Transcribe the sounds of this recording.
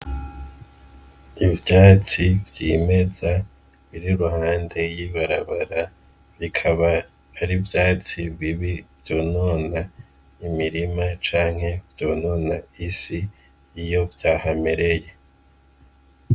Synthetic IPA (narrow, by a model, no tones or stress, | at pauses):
ibjaːt͡sivɟiːme̞za | βiɾiɾuhaːnde̞jiβaɾaβaɾa | βikʰaβaː | ɾibjaːt͡siβiβiv̥jo̞ːno̞ːna | imiɾimat͡ʃaːŋ̥he̞vjo̞ːno̞ːnaisiː | jo̞vjaːhame̞ɾe̞je̞